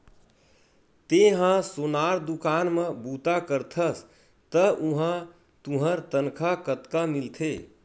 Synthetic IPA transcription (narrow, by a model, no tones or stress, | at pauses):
t̪eɦãsonaːɾd̪ukaːnmẽbuːt̪akəɾt̪ʰəs | t̪əʔuɦã | t̪ũɦəɾt̪ənkʰakət̪kamilt̪ʰe